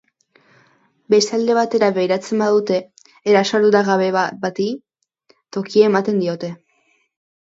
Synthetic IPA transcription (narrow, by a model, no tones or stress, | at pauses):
be̞st̪ald̪e̞β̞at̪e̞ɾaβejɾat͡se̞mbaðut̪e̞ː | ɾasaɾðut̪aɣaβebat̪i | t̪o̞kiemat̪e̞nd̪io̞t̪e̞